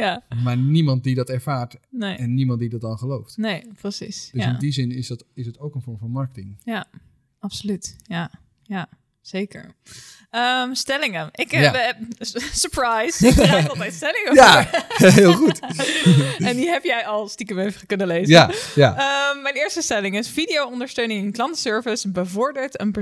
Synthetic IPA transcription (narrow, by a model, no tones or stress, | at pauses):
jamaːɹnimɑnt̚didɑtɛɹvaːɹtnejɛnːimɑntdidɑt̚dɑnχəlowftnejprəsḭsd̥øsɪndizɪnɪsɪsdɑtowkənfɔɹmfɑnmɑɹkətɪŋja | ɑpsolytja | ja | z̥ejkə̰ɹ | əmstɛlɪŋəɪk | səɹprajsɑlˠtɛjtstɛlɪŋəjaɹɦɪlˠχut | ɛndiɦɛpjɛjɑlˠstikəmøɥvəχəkɵnəlejzajaəmːɛjnɪːɹstəstɛlɪŋɪsfidijowɔndəɹstøɥnɪŋɪnklɑntəsøɹvəsbəvɔɹdəɹtənbə